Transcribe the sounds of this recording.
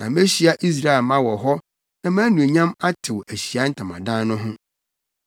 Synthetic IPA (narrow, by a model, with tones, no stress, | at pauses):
nã˨me˦ɕi˨˦a˦ʔi˦s̬ɾa˦˨ɛ˨lmã˦wɔ˨ɦɔ˦ | nã˨mã˦nũ˨e˨ɲã˦ma˦tʰɪ˨wæ˨ɕi˨a˦n̩˦tʰã˨mã̰˨dã˦n˦nʊ̃˦ɦʊ̃˦